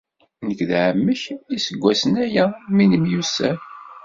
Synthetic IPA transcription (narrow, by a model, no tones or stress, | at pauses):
nəkðʕəmːəçisəɡʷːæsənæjæminəmjusːæ